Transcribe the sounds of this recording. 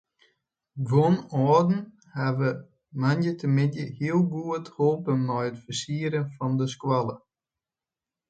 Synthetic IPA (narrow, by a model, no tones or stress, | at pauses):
ɡʋonɔːdn̩ | haʋə | manjətʰəmɪnjəhiəlˠɡuətholˠpənnɔjətfərsiəɾənfɔndəskwalˠə